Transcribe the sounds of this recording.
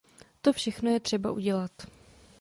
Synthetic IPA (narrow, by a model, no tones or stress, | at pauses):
t̪o̞fʃɛxno̞jɛt̪r̝̥ɛba̰ʔuɟɛlat̪